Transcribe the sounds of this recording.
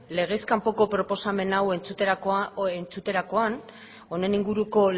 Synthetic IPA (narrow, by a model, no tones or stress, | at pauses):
le̞ɣ̞e̞skampo̞ko̞pɾo̞po̞same̞nawe̞nt͡sut̪eent͡sut̪e̞ɾako̞an | o̞ne̞niŋɡuɾuko̞